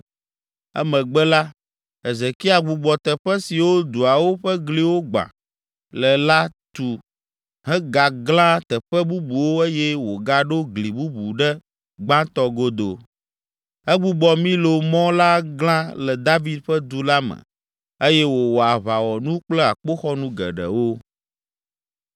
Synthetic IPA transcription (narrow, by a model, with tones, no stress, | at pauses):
ɛ̰˦mə̃˨ɡ͡bɛ˦la˦ | ɛ˨zɛ˨ki˦a˨ɡ͡bu˨ɡ͡bɔ˨t̪ɛ˨ɸɛ˦si˨wo˦d̪u˨a˨wo˦ɸə˦ɡli˦wo˦ɡ͡bã̰˨ | lə˨la˦t̪u˨ | ɦɛ̃˦ɡa˨ɡlã˦t̪ɛ˨ɸɛ˦bu˦bu˨wo˦e˦jɛ˦wo˨ɡa˦ɖo˦ɡli˨bu˦bu˨ɖɛ˦ | ɡ͡bã˦t̪ɔ˦ɡo˦d̪o˨ | ɛ˦ɡ͡bu˨ɡ͡bɔ˨mĩ˦lo˨mɔ̃˦la˦ɡlã˦lɛ˨d̪a˦vi˦d̪ɸə˦d̪u˦la˦mə̰̃˨ | e˦jɛ˦wo˨wo˨a˨βa˨wɔ˨nũ˦k͡plɛ˦a̰˨k͡po˦xɔ˦nũ˦ɡɛ̰˨ɖə̰˨wo˦